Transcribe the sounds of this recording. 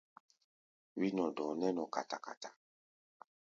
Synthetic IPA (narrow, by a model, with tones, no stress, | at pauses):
wi˦nɔ˨dɔ̃˨nɛ˦nɔ˨ka˨ta˨ka̰˨ta˨